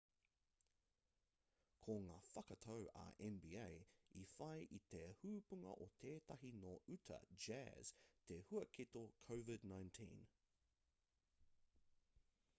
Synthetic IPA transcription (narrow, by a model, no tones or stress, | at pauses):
kʰoŋaːfɐkɐt̪ʰowʔɐ̰ʔɛnbḭːejifɐjʔit̪ʰehuːpuŋɐ̰ʔot̪ʰeːt̪ɐɦinoːʔʉt̪ʰɐ̰d͡ʒɛ̰z̥t̪ʰehuɐkʰit̪okʰowvɪdnãj̃ntʰḭ̃n